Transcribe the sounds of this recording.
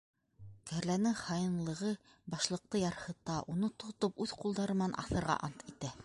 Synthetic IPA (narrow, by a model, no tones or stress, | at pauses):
kæɾlænɘχɑjɤ̆nlˠɤ̆ʁɤ | bɑʃlˠɤ̆q̚t̪ɤjɑɾhɤ̆t̪ɑʔunɤt̪ŏt̪opʉðqulˠd̪ɑɾɤm̆nɑnʔɑ̰θɤ̆ɾʁɑ̰ʔɑnt̪it̪æ